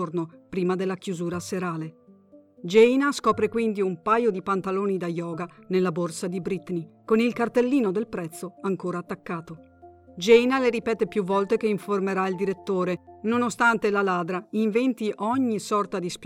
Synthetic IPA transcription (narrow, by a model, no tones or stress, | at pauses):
ornopɾiːmad̪elːakjuzuːɾaseɾaːle | d͡ʒɛjnaskɔːpɾekwind̪iumpajod̪ipant̪aloːnid̪ajɔːɡanelːaborsad̪ibɾit̪nikonilkart̪elːiːnod̪elpɾɛt̪sːoaŋkoːɾaːt̪ːakːaːt̪o | d͡ʒɛjnaleɾipɛːt̪epjuvːɔlt̪ekeiɱformeɾaild̪iɾet̪ːoːɾenonost̪ant̪elalaːd̪ɾaiɱvɛnt̪iʔɔɲːisɔrt̪ad̪isp